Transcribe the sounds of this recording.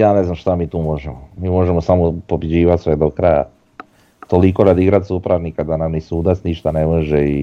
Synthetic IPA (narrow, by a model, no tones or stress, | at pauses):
jaːne̞znamʃt̪amiːt̪uːmo̞ʒemomiːmo̞ʒe̞mosamopobid͡ʑiːʋat̪sʋed̪okɾaja̰ | t̪oliko̞ɾad̪iɡɾat̪supɾaɾnikad̪anamnisuːd̪at̪sniʃt̪anemoʒei